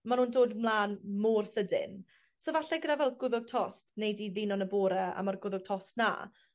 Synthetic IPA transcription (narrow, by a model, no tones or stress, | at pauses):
manuːndoːdmlˠaːnmoːrsədɪ̰n | soːvaɬɛɡɾɛvɛlˠɡʊðʊɡ̚tʰɔstnejdiðinɔnəboːɾɛa̰marɡʊðʊɡ̚tʰɔstna̰